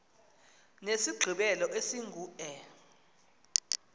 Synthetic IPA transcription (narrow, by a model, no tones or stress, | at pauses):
nesiɡ͡ǃʱiɓɛlɔʔesiŋɡʱuːɛ